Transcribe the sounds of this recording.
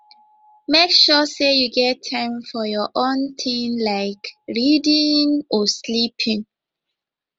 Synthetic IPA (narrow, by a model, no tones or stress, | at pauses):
mekʃɔsejuɡɛtʰːãɪ̃mfɔjɔʔõnt̪ʰĩŋlaɪkɹidĩŋɔslipʰĩŋ